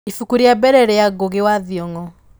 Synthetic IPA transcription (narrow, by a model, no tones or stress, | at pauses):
ifukuɾiabɛɾɛɾejaɡoɣewaðjɔŋɔ